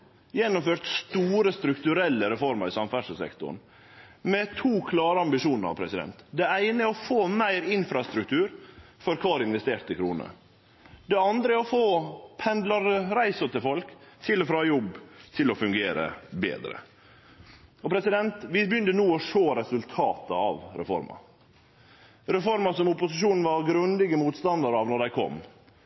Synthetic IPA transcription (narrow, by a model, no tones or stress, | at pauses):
jɛnːʊmføːɾt̪st̪uːɾəst̪ɾʉkt̪ʉɾɛlːəɾɛfɔɾməɾɪsɑmfæʂəsɛ̰kt̪ʊ̰ɳ | mɛt̪ʰuːkʰlɑːɾəɑmbɪʂuːnəɾɑ̰ʋpʰɾɛsɪd̪ɛ̰nt̪d̪ɛæɪnəæɾɔfoːmæɪɾɪnfɾɑst̪ɾʉk̚t̪ʰʉːɾfɔɾkʰɑːɾɪnʋɛst̪eːɾt̪əkʰɾṵːnə̰ | d̪ɛɑnd̪ɾəæɾɔfoːpʰɛnd̪lɑɾɾæɪsʊt̪ʰɪlfɔlkt̪ʰɪlɔfɾɑːjɔbːt̪ʰɪlɔfʉŋɡeːɾə̰bḛːd̪ɾə̰ | ɔpʰɾɛsɪd̪ɛnt̪ʋɪbjʏnt̪ənuːɔʂoːɾɛsʉlt̪ʰɑːt̪ə̰ɑ̰ʋɾɛ̰fɔ̰ɾmɑ̰ | ɾɛfɔɾmɑsɔmʊpʊsɪʂuːnn̩ʋɑɾɡɾʉnd̪ɪɡəmuːt̪st̪ɑnd̪ɑɾɑʋnɔɖæɪkʰɔ̰m